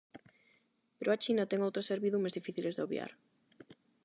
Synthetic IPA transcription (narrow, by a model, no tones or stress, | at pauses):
peɾʔoat͡ʃinat̪ɛŋowt̪ɾoseɾβiðumezðifiθilezðeoβja̰ɾ